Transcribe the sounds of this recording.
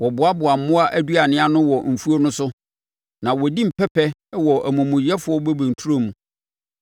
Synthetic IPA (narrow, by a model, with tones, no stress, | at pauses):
wɔ˨bʊ˨a˦bʊ˨a˨m̩˨˦mʊ̃˦a˦ʔæ˦du˦a˨nɪ̃˦a˦nʊ̃˦wɔ˨m̩˨fu˦o˦nʊ̃˦sʊ˦ | nã˨wɔ˨di˦m̩˨pʰɛ˦pʰɛ˦wɔ˨ʔæ˨mʊ̃˨mʊ̃˨jɛ˦fʊ˨˦ɔ˦bɛ˦bɛ̃˨n̩˨tʰu˦ɾo˦mũ˨